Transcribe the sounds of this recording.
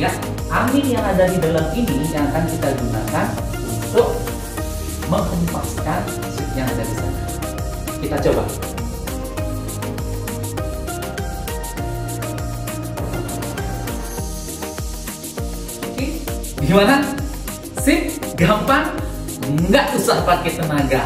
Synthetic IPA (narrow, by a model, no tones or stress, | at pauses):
aʔ | ʔamɪnjaŋadadidalaminijaŋakankit̪aɡunakan | unt̪ʊk̚ | məŋhumpaskan | sɪt̪̚jaŋadadisa̰na | kit̪at͡ʃoba̰ | kiɡimana | sɪk̚ɡampaŋ | ŋɡaʔusahpakɛt̪ənaɡa